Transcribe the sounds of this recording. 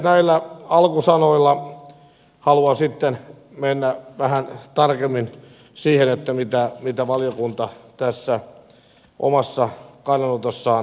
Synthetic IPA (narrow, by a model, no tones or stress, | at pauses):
næilːæɑlkusɑnoilːɑ | hɑluɑsit̪ːen | menːæʋæhænt̪ɑrkemːin | siːhenet̪ːæmit̪æmit̪æʋɑlijokunt̪ɑt̪æsːæ | ʔo̰mɑsːɑkɑinːɑnot̪osːɑː